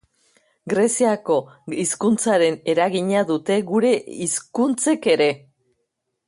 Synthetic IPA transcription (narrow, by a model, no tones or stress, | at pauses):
ɡɾe̞siako̞iskunt͡saɾe̞ne̞ɾaɣiɲaðut̪e̞ɣuɾe̞iskunt͡se̞ke̞ɾe̞